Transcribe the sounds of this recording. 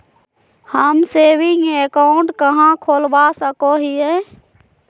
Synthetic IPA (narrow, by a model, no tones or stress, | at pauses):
həmsebʱijeekaʊɳʈkəɦãkʰoːlbasəkoɦiɛ